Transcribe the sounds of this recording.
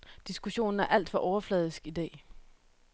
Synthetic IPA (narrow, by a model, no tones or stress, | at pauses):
d̥isɡ̥uɕo̝̰ːn̩æɐʔæl̰d̥fɒ̽ʔɒʊɐflɛːð̞ˠisɡ̥id̥ɛ̰ː